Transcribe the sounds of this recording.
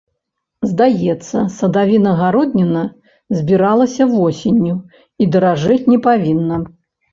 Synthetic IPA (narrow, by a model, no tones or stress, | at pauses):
zd̪ajɛt̪sːɐ̰sɐd̪avʲinɐɣaɾɔd̪nʲɛnɐ | zʲbʲiɾalˠɐsʲɐvɔsʲenʲːu | id̪ɐɾaʐɨt͡sʲnʲɛpavʲinːɐ